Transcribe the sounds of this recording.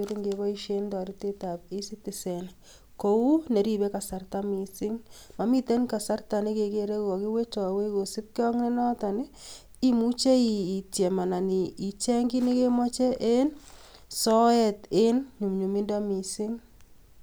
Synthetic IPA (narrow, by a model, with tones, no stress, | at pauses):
o˦ɾi˦ŋɡeβɔ˦i˦ʃe˦ndɔ˨ɾi˦te˦ta˨pi˦si˦tɪ˨sɛ˨n | ko˨u˦ne˨ɾi˦βɛ˦ka˨sa˦rta˦mi˨sɪ˦ŋma˨mi˦te˦nka˨sa˦rta˨ni˦ke˨ke˨ɾe˦kɔ˨ki˦we˦t͡ʃɔ˨we˦ko˨sɪ˦p̚kjɔ˦ŋne˦nɔ˦ta˨nɪ˦ | i˨mu˦t͡ʃe˦iː˨tjɛ˨ma˨na˨ni˨ʔi˨t͡ʃɛ˦ŋɡi˦ne˦ke˦mɔ˦t͡ʃɛ˦ʔe˦n | sɔ˦ɛte˦nɲu˨mɲu˨mi˦nda˦mi˨sɪ˦ŋ